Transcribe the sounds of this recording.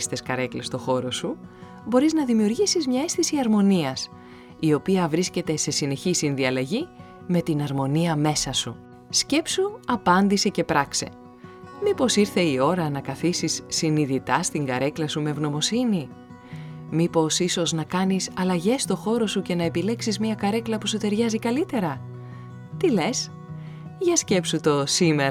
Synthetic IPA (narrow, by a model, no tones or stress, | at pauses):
st̪e̞skɐɾe̞klest̪o̞xo̞ɾo̞su | bo̞ɾiznɐðimiuɾʝisizmɲɐe̞sθisiɐɾmo̞niɐs | io̞piɐvɾisce̞t̪e̞se̞sine̞çisinðiɐlɐʝi | me̞t̪inɐɾmo̞niɐme̞sɐsu | sce̞psuɐpɐnd̪ise̞ce̞pɾɐkse̞̰ | mipo̞siɾθe̞io̞ɾɐnɐkɐθisisːiniðit̪ɐst̪iŋɡɐɾe̞klɐsume̞vno̞mo̞sini | mipo̞siso̞znɐkɐnisɐlɐʝe̞st̪o̞xo̞ɾo̞suce̞nɐepile̞ksizmiɐkɐɾe̞klɐpusut̪e̞ɾʝɐzikɐlit̪e̞ɾɐ | t̪ile̞s | ʝɐsce̞psut̪o̞simeɾ